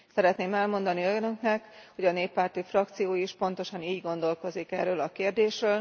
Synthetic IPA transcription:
sɛɾɛt̪neːmɛlmo̞nd̪ɒniønøknɛkho̞ɟɒneːpːaːrt̪ifrɒkt̪sijoːiʃpo̞nt̪o̞ʃɒniːɟɡo̞nd̪o̞lko̞zikɛ̰røːlɒkeːrd̪eːʃrøːl

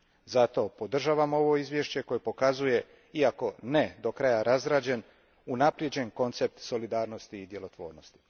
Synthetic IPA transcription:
zat̪o̞po̞d̪r̩ʒaːʋamo̞ʋo̞izʋje̞ʃt͡ɕe̞ko̞jepo̞kazuje̞ | iako̞ned̪o̞kɾajaɾazɾaːd͡ʑe̞n | unapɾjed͡ʑe̞nko̞nt̪se̞p̚t̪so̞lid̪aːɾno̞st̪iːd̪je̞lo̞t̪ʋo̞̰ːɾno̞st̪i̥

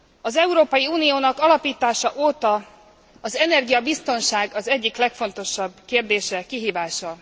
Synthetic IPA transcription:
ɒzɛuɾoːpɒjiuːnijoːnɒkɒlɒpiːt̪aːʃɒʔoːt̪ɒ | ɒzɛnɛrɡijɒbist̪o̞nʃaːɡɒzɛɟːiklɛkfo̞nt̪o̞ʃɒbkeːrd̪eːʃɛkiɦiːvaːʃɒ

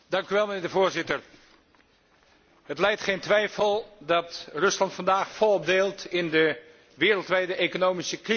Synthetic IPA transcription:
d̥ɑŋkyʋɛlˠmənɪːɹdəvʊːɹzɪtəɹ | ɦətlɛjtχejntʋɛjfəlˠdɑtrɵslɑntfɑndaːχfɔlˠɔb̚delˠtɪndə | ʋɪːɾəlˠtʋɛjdəʔejkonowmisəkri

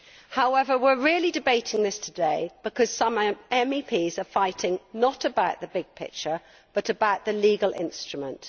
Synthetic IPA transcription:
haʊɛvəwɪɹɪəlidɨbeɪtʰɪ̃ŋðɪstʰədeɪb̥ɪkʰɒz̥sʌ̃mɛ̃mipʰiːzəfaɪtʰɪ̃ŋnətəbaʊʔðəbɪɡ̥̚pʰɪ̰k̚t͡ʃə | b̥ʌɾəbaʊʔ̪ðəliːɡəlɪ̰̃nstɹ̥əmə̰̃nt

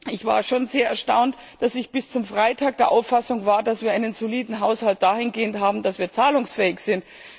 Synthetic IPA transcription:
ʔɪçv̥a̰ːɐʃoːnzeːɐɛɐʃta̰ʊnt | d̥asɪçb̥ɪst͡sʊmfʁ̥aɪtʰaːk̚d̥eːɐʔaʊfasʊŋvaːɐdasv̥iːɐaɪnənzoliːdn̩ɦaʊshalt̚d̥aːhɪnɡeːəntɦaːbm̩d̥asv̥iːɐt͡saːlʊŋsfɛːɪçz̥ɪnt

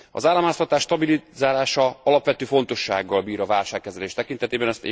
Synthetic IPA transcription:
ɒ̰zaːlːɒmaːst̪ɒt̪aːʃt̪ɒbilizaːlaːʃɒɒlɒpʋɛt̪øːfo̞nt̪o̞ʃːa̰ːɡːɒlbiːɾɒvaːlʃaːkːɛzɛleːʃt̪ɛkint̪ɛt̪eːbɛnɛst̪e

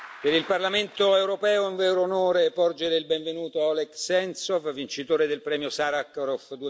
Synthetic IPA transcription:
peɾilparlament̪oewɾopɛːoiɱvɛːɾoːnoːɾepɔrd͡ʒeɾeilbɛɱvenuːt̪oɔleksɛnt̪sɔfvint͡ʃit̪oːɾed̪elpɾɛːmjosaɾakɾofd̪u

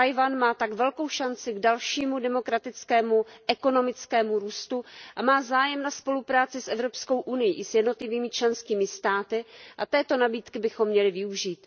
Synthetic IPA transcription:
ajvanmaːt̪aɡvɛlko̞wʃant͡sɪɡdalʃiːmudɛmo̞kɾat̪ɪt͡skɛːmuʔɛko̞no̞mɪt͡skɛːmuɾuːst̪uʔamaːzaːjɛmnaspo̞lupɾaːt͡sɪsʔɛvɾo̞psko̞wʔunɪjiʔɪsjɛdno̞t̪lɪviːmɪt͡ʃlɛnskiːmɪst̪aːt̪ɪʔat̪ɛːt̪o̞nabiːt̪kɪbɪxo̞mːɲɛlɪvɪuʒiːt̪

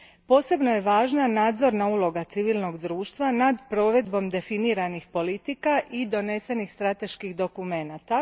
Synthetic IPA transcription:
po̞ːse̞bno̞je̞ʋaːʒnanaːd̪zo̞ɾnaulˠo̞ɡat̪siʋiːlno̞ɡd̪ɾuːʃt̪ʋanad̪pɾo̞ːʋe̞d̪bo̞md̪e̞finiːɾanixpo̞lit̪ikaʔid̪o̞ne̞se̞nixst̪ɾat̪e̞ʃkixd̪o̞kume̞nat̪a

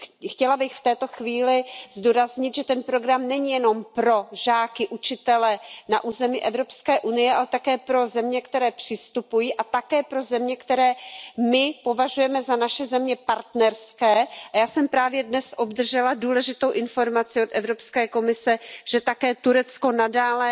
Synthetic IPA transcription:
xcɛlabɪxft̪ɛːt̪o̞xviːlɪzduːɾazɲɪt̪ʒɛt̪ɛnpɾo̞ɡɾamnɛɲijɛno̞mpɾo̞ʒaːkɪʔut͡ʃɪt̪ɛlɛna̰ʔuːzɛmɪʔɛvɾo̞pskɛːʔunɪjɛʔalɛt̪akɛːpɾo̞zɛmɲɛkt̪ɛɾɛːpr̥ɪst̪upujiːʔat̪akɛːpɾo̞zɛmɲɛkt̪ɛɾɛːmɪpo̞vaʒujɛmɛzanaʃɛzɛmɲɛpaɾt̪nɛɾskɛːajaːsɛmpɾaːvjɛdnɛsʔo̞bd̪r̩ʒɛladuːlɛʒɪt̪o̞wʔɪnfo̞ɾmat͡sɪot̪ʔɛvɾo̞pskɛːko̞mɪsɛʒ̥ɛt̪akɛːt̪uɾɛt͡sko̞nadaːlɛ

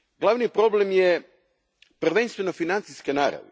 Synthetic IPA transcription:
ɡlˠaʋnipɾo̞ble̞mje | pr̩ʋenst̪ʋe̞no̞finant̪siskenaːɾa̰ʋe

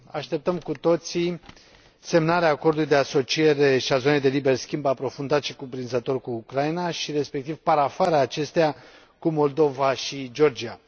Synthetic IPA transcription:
aʃt̪e̞p̚t̪əmkut̪o̞t̪si | se̞mnaɾeaːko̞rd̪uluijd̪easo̞t͡ʃie̞ɾe̞ʃiazo̞nejd̪e̞libe̞rskʲimbapɾo̞fund̪at̪ʃikupɾinzət̪o̞rkuːkɾainaʃiɾe̞spe̞kt̪ivpaɾafaɾaːt͡ʃe̞st̪ea | kumo̞ld̪o̞vaʃid͡ʒo̞rd͡ʒia

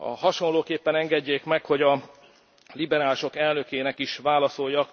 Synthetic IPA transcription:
ɒ̰hɒʃo̞nloːkeːpːɛnɛŋɡɛɟːeːkmɛkho̞ɟɒ | libɛɾaːliʃo̞kɛlnø̞keːnɛkiʃʋaːlɒso̞jːɒk

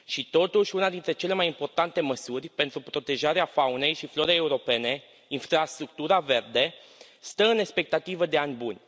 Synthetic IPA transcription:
ʃit̪o̞t̪uʃʲunad̪int̪ɾe̞t͡ʃe̞le̞majimpo̞rt̪ant̪e̞məsurʲpe̞nt̪ɾupɾo̞t̪e̞ʒaɾeafaune̞jʃiflo̞ɾejeuɾo̞pe̞ne̞ | infɾast̪ɾuk̚t̪uɾave̞rd̪e̞ | st̪əɨne̞spe̞k̚t̪at̪ivəd̪e̞anʲbunʲ

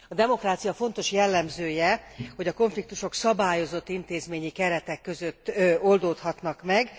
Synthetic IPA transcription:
ɒd̪ɛmo̞kraːt̪sijɒfo̞n̪t̪o̞ʃjɛlːɛmzøːjɛho̞ɟɒko̞ɱflikt̪uʃo̞ksɒbaːjo̞zo̞t̪ːint̪eːzmeːɲikɛɾɛt̪ɛkːø̞zøt̪ːold̪oːt̪hɒt̪nɒkmɛɡ

